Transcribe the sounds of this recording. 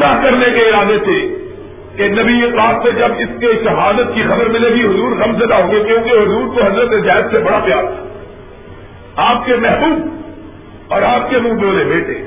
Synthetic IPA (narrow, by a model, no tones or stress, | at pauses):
akɐɾnekeɪɾaːd̪et̪ʰe | kenɐbiɐklaːt̪sed͡ʒɐbɪskeʃɐɦaːd̪ət̪̚kixɐbəɾmɪleɡiɦʊzuːɾɣɐmzɐd̪aɦõːɡekjõːkeɦʊzuːɾk̪oɦɐzɾət̪ezjaːɦɪd̪sebɐɽapjaːɾt̪ʰḁ | aːp̚kemɛɦbuːb̚ | ɔːɾaːp̚kemũboːlebeːʈḛː